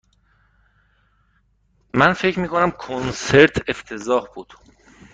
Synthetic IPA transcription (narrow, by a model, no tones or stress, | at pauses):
mænfecʰmiːkʰonæmkʰonse̞ɾt̪ʰeft̪ʰe̞zɒːhb̥uːd̪̥